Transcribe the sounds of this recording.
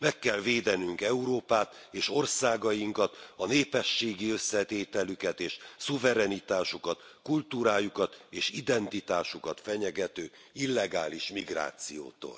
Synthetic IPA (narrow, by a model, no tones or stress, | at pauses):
mɛkːɛlveːd̪ɛnyŋkɛuɾoːpaːt̪eːʃo̞rsaːɡɒjiŋkɒt̪ɒneːpɛʃːeːɡiø̞sːɛt̪eːt̪ɛlykɛt̪eːʃsuvɛɾɛnit̪aːʃukɒt̪kult̪uːɾaːjukɒt̪eːʃid̪ɛnt̪it̪aːʃukɒt̪fɛɲɛɡɛt̪øː | ilːɛɡaːliʃmiɡra̰ːt̪sijo̰ːt̪o̰ːl